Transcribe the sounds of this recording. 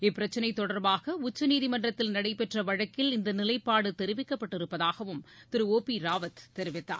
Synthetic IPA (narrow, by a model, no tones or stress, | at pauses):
ɪpːɪɾɐt͡ʃːɐnɐɪt̪ːɔɽɐɾbaːɣɐʊt͡ʃːɐniːðimɐɳɖrɐt̪ːɪlnɐɽɐɪpɛʈrɐʋɐɻɐkːɪlɪnd̪ɐnɪlɐɪpːaːɽɯt̪ɛɾɪʋɪkːɐpːɐʈːɪɾɯpːɐðaːɣɐʋɯmt̪ɪɾɯoːpiɾaːʋɐt̪t̪ːɛɾɪʋɪt̪ːa̰ːɾ